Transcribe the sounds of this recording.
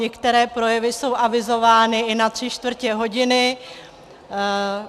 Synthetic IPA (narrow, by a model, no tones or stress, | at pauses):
ɲɛkt̪ɛɾɛːpɾo̞jɛvɪso̞wʔavɪzo̞vaːnɪɪnat̪r̝̥ɪt͡ʃt̪vr̩cɛɦo̞ɟɪnɪ